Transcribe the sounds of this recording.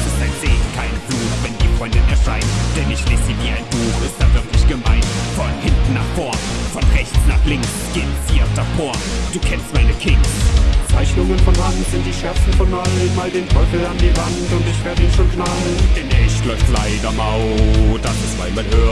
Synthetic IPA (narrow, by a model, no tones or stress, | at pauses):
ʔɪstaɪnz̥eːɪçkʰaɪnfluːtvɛnd̥iːfʁ̥ɔʏndɪnɛɐʃʁ̥aɪnd̥ɛɐnɪçtv̥eːsziːviːaɪnbuːxɪstd̥aːvɪɐkʰlɪçɡ̥əmaɪnfɔnhɪntn̩ːaːχfɔɐnfɔnʁɛçt͡snaːχlɪŋksɡ̥eːnsiːd̥afɔːɐnd̥uːkʰɛnstmaɪnəkʰɪŋnt͡saɪçnʊŋənfɔnːadn̩zɪnt̚d̥iːʃɛɐt͡sn̩fɔnːɔdmaːldeːnfɔlf̩andiːvantʊntɪçv̥eːɐdəiːnʃoːnknaːld̥ɛnɛɪç̥lɔɪftlaɪdɐmaʊd̥asɪsmaɪmanhøː